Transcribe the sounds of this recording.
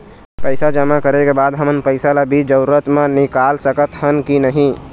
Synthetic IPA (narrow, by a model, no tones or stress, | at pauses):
pəɪsad͡ʒəmakəɾekebad̪ɦəmənpəɪsalabʱid͡ʒəʊɾət̪mẽnikalsəkət̪hənkinəɦĩ